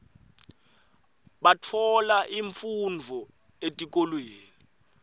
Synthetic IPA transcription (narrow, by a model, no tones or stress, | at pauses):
ɓatʰɔlaʔiɱfund͡vʱɔ | etʼik̬ʼolweːni